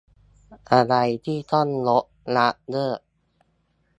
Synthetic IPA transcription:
ʔa˧ɾa˧jt̪ʰiː˥˩t̪ʰɔ˥˩˨nlo˦˥ʔ̚ | la˦˥ʔdɤː˥˩

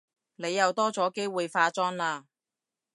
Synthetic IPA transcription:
ne˨˧jːɐ˨wt̪ɔː˥t͡sɔː˨˥ke˥jwuː˨jfaː˧t͡sɔː˥nlaː˧

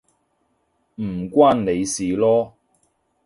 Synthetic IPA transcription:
m̩˨˩kʷwaː˥nne˨˧jsiː˨lɔː˦˥

